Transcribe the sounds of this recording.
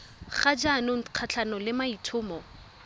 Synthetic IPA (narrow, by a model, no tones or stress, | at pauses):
χad͡ʒanʊq͡χʰat͡ɬʰanɔlɪmaitʰʊːmɔ